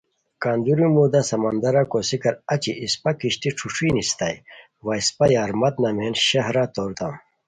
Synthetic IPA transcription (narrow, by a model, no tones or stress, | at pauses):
kaːnd̪uɾimuːd̪asɐmɐnd̪ɐɾakosikɐɾɐt͡ɕiʔispɐkiɕt̪iʈ͡ʂʰuʂʰinist̪a̰j | wɐispɐjaːɾmɐt̪nɐmeːnɕɐɦɾat̪oːɾt̪ɐm